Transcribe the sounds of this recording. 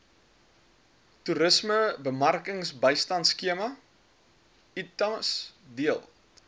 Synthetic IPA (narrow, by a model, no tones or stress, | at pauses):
tuɾəsməbəmɐrkəŋsbəjstɐntskiəmɐ | itɐsdiəlˠ